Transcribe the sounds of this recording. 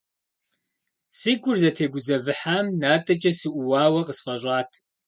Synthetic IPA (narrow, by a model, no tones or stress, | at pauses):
siɡʷʊrzɐtʰeːɡʷʊzɐvɨħaːmnaːtʼɐt͡ʃʼɐsɨʔʷʊwaːwɐqəsfɐɕʷʼɑːtʰ